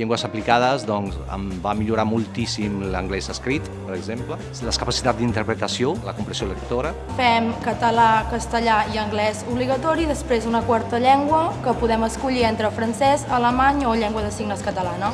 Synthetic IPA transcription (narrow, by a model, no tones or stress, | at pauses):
ʎeŋɡwəsəplikaðəzðɔnzə̰mbamiʎuɾamulˠt̪isimlə̰ŋɡlɛzəskɾit̪pəɾəɡzemplə | ləskəpasi̥t̪at̪d̪int̪əɾpɾət̪əsioləkumpɾəsiolək̚t̪oɾə | fɛmkət̪əlakəst̪əʎaiəŋɡlɛzuβliɣət̪ɔɾiðəspɾezunəkwaɾt̪əʎɛŋɡwəkəpuðɛməskuʎient̪ɾəfɾənsɛzələmaɲoʎɛŋɡwəðəsiɣnəskət̪əlanə